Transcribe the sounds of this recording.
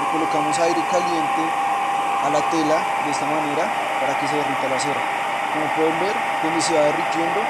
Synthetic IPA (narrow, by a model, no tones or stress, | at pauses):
kolokamosajɾekalje̞nt̪e | alat̪e̞la | d̪eest̪amane̞ɾa | paɾakes̬eðerint̪alaseɾa | komopweðembe̞ɾ | kenis̬iaðerik̪jend̪o